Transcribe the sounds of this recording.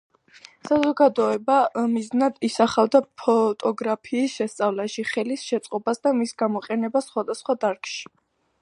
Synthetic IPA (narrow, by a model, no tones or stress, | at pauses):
sazɔɡad̪ɔɛbamiznad̪isaχavd̪apʰɔt̪ʼɔɡɾapʰiːsʃɛst̪sʼavlaʃiχɛlisʃɛt̪sʼqʼɔbasd̪amisɡamɔqʼɛnɛbasχwad̪asχwad̪aɾkʼʃi̥